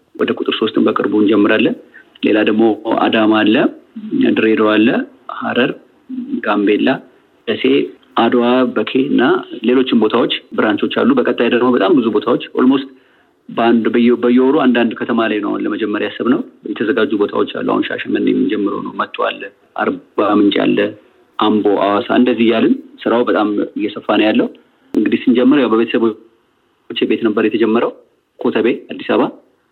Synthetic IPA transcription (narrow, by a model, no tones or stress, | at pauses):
wɔd̪əkʼut̪ʼɨɾso̞st̪ʰɨnbəkʼɨɾbund͡ʒɛmːɨɾalːənle̞̰lad̪əɡmo̞a̰d̪amalːəa̰d̪ɨɾe̞d̪owalːə | haɾəɾ | ɡambe̞lːa | dəse̞ | ʔad̪waβbəkʰe̞ɨnːale̞lo̞t͡ʃːɪmbo̞t̪ʰawo̞t͡ʃːbɨɾʔant͡ʃ̪o̞t͡ʃːa̰lːubəkʼət̪ʼːajd̪əɡmːobət̪ʼambɨzubo̞t̪ʰawo̞t͡ʃːho̰lmost̪ʼ | badjbəjːɛoɾoand̪and̪kʰət̪ʰəmalajnəwaunləməd͡ʒɛmːəɾjasːəβnəwbəjɛt̪ʰəzəɡad͡ʒːubo̞t̪ʰa̰wo̞t͡ʃːa̰lːṵʔa̰wunʃa̰ʃɛmɨn̰ːjɛmid͡ʒɛmːɨɾə̰wnə̰wmət̪ʼːwa̰lː | ʔa̰ɾbbamɨnt͡ʃʼa̰lːə | ʔambo̞ʔawasa̰ʔɨnd̪əzːihjalɨnsɨɾawbət̪ʼamɨjːɛsəfːanəjalːəhu | ʔɨŋɡɨd̪isɨnd͡ʒɛmːɨɾwjawbəβe̞t̪ʰəsəβ | t͡ʃːɪbe̞t̪nəbːəɾjɛt̪ʰəd͡ʒɛmːəɾəw | kʰot̪ʰəβe̞ad̪ːisaβa